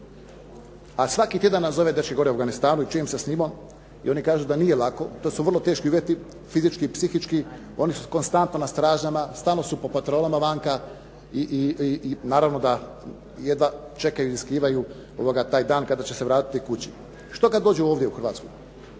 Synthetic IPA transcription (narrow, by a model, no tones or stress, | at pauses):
asʋakit̪je̞d̪anːazo̞ʋed̪ɾrʃkeɡo̞ɾeuavɡanist̪aːnuit͡ʃujemsesnimom | ḭo̞nikaːʒud̪anijelako̞t̪osuʋər̩lˠo̞t̪e̞ːʃkiuʋjet̪i | fizit͡ʃkiːpsixit͡ʃki | o̞nisuko̞nst̪ant̪nonast̪ɾaːʒɲamast̪aːlnosupo̞pat̪ɾolamaʋaŋka | iʔ | naːɾaʋno̞d̪a | je̞d̪ʋa | t͡ʃe̞kajuiiskɾiːʋaju | o̰ʋoɡat̪aːjd̪aːnkad̪at͡ɕe̞se̞ʋɾaːt̪i̥t̪ikut͡ɕi | ʃt̪o̞kad̪d̪oːd͡ʑuoːʋd̪jeuxrɾʋaːt̪sku